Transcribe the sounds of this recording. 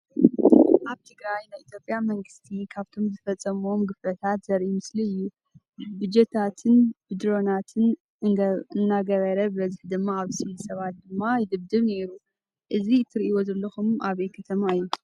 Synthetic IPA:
ʔaβt̪ʰɨɡɾajnajʔit̪ʰjo̞pʼjamɐŋɡɨst̪ʰikʰaβt̪ʰo̞mzfɐt͡sʼːɐmo̞mɡɨflɐt̪ʰat̪z̥ɐɾʔimɨsliɨjːu | bɨd͡ʒɛt̪ʰat̪ʰɨnbɨd̪ɾo̞nat̪ʰɨn | ɨnːaɡɐβɐɾɐbɨβɐzɨħd̪ɨmːaaβsilsɐβat̪̚d̪ɨmːajɪd̪ɨβd̪ɨβne̞ɾu | ʔɨziɨt̪ʰːɨɾiiwozɐlːɐxumʔaβekʰɐt̪ʰɐmaɨjːu

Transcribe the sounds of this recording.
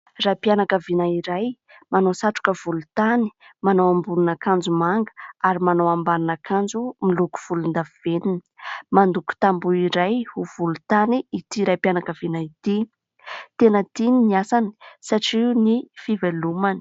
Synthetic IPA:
rapjanakəvinaiɾaj | manosaʈ͡ʂu̥kəv̥ulut̪ani̥manowambununakand͡zumaŋɡə̥aɾimanowambanunakʰand͡zumiluku̥v̥ulund̪aviv̥enini̥mand̪uku̥t̪ambuiɾajhuv̥ulut̪aniːt̪iɾajpjanakəvinait̪i | t̪enət̪ininiasani̥saʈ͡ʂinifivelumani̥

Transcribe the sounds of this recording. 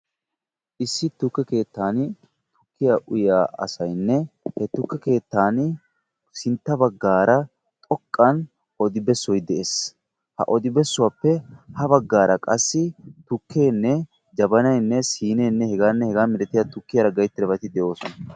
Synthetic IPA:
ʔɪsːɪt̪ʊkːɛke̞ːt̪ːaːn | t̪ʊkːɪjaʔʊjaːɐ̰sɐjnːɛhɛt̪ʊkːɛke̞ːt̪ːaːn | sɪnt̪ːɐbɐɡːaːɾɐ | t̪ʼɔkʼːɐn | ɔd̪ɪbɛsːɔjd̪ɛʔeːs | hɐ̰ʔɔd̪ɪbɛsːʊwapːɛhɐbɐɡːaːɾɐkʼɐsːɪt̪ʊkʰːeːnːɛ | d͡ʒɐbɐnɐjnːɛsiːne̞ːnːɛhɛɡaːnːɛhɛɡaːmɪɾɛt̪ːɪjat̪ʊkːɪjɐɾɐɡɐjt̪ːɪɾɐbɐt̪ɪd̪ɛʔo̞ːsɔnɐ

